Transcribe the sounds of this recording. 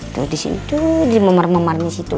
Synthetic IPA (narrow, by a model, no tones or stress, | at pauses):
t̪usdisḭnḭt̪udimamarmamarnisit̪u